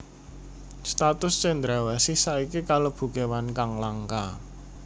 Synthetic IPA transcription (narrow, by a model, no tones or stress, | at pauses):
st̪at̪ʊst͡ʃɛnd̪ɾawɛsisaikikalob̥ṳkewankaŋlaŋka